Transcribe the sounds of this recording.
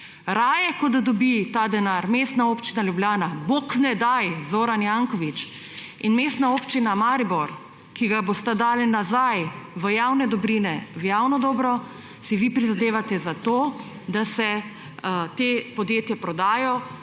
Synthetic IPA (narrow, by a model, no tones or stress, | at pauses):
ɾaːjɛkɔd̪d̪ɔbit̪aːd̪ɛnaɾmeːst̪naoːpt͡ʃinaljublʲjaːnaboknɛd̪ajzoːɾanjaŋkɔʋit͡ʃ | inmeːst̪naoːpt͡ʃinamaːɾibɔɾ | kiɡabost̪ad̪aːlinazajʋəjawnɛd̪ɔbɾinɛʋjawnɔd̪ɔːbɾɔ | siʋipɾizad̪eːʋat̪ɛzat̪oː | d̪asɛ | t̪eːpɔd̪jeːt̪japɾɔd̪aːjɔ